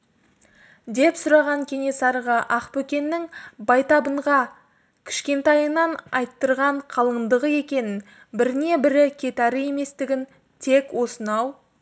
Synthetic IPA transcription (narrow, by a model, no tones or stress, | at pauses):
d̪e̞psʊɾɑʁɑŋkʲʰe̞ne̞sɑɾʁɑʔɑqpɵkʲe̞nːɪŋbɑjt̪ɑbəɴʁɑ | kʲʰɪ̥ʃkʲe̞nt̪ɑjənɑnɑjt̪ːəɾʁɑɴqʰɑlˠəɴd̪əʁəe̞kʲe̞nɪn | bɪɾɪne̞bɪɾɪkʲʰe̞t̪æɾɪje̞me̞st̪ɪɡʲɪn | t̪ʰe̞kwo̞sənɑw